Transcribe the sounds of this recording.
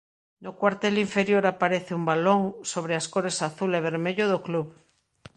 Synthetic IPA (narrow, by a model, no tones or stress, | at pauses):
nokwaɾt̪eliɱfeɾjoɾapaɾeθeumbaloŋsoβ̞ɾeaskoɾesaθuleβ̞eɾmeʎoðokluβ